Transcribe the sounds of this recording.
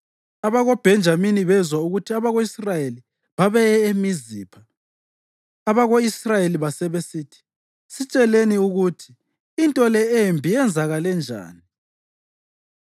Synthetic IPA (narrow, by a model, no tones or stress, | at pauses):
aβaɣob̥ʱɛnd͡ʒʱaminiβɛzwauɣutʰiaβaɣoisrajeli | βaβɛemiziːpʰa | βaɣoisrajeliβasɛβesiːtʰi̥ | sit͡ʃʼɛleniuɣutʰi̥ː | ntʼɔlɛembʱijɛnd͡zʱaɣalɛnd͡ʒʱa̰ːni